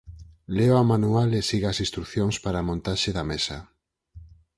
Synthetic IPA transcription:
leamanualesiɣasĩst̪ɾukθjoŋspaɾamõnt̪aʃeðamesa

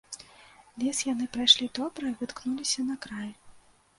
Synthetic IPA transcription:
lʲɛsjanɨpɾajʂlʲit̪ɔbɾɐivɨt̪knulʲisʲɐnɐkɾaj

